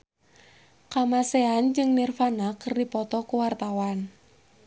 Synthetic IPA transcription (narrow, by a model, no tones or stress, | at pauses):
kamaseand͡ʒɨŋnirfanakɨrdipɔt̪ɔkuwart̪awan